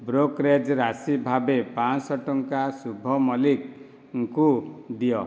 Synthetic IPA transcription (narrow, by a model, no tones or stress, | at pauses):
bɾokɾed͡ʒɾasibʱabepãsɔʈɔŋkasubʱɔmɔlik | ŋ̩kud̪ijɔ